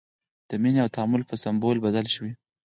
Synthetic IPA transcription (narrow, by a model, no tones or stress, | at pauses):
d̪̥əmineawt̪aamʊlpəsambolbad̪alʃəwi